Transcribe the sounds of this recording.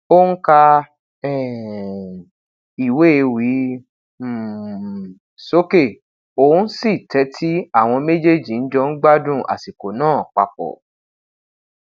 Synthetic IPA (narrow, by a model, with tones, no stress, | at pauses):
o˦ŋ̩˦ka˧ | ɛ˦˨ | i˨we˦e˧wi˨˦˨ | so˦ke˦˨ | o˨˦si˦˨tɛ˨˦tʰi˦a˦˨w̃ɔ̃˧me˦d͡ʒe˦˨d͡ʒi˨n̩˦d͡ʒɔ˧n̩˦ɡ͡ba˦dũ˦˨ʔa̰˨si˨ko˨nãː˦˨k͡pa̰˨k͡pɔ̰˨